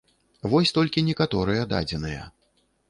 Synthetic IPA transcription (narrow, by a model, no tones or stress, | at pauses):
vɔsʲt̪ɔlʲkʲinʲɛkat̪ɔɾɨjɛd̪a̰d͡zʲɛnɨjɐ̰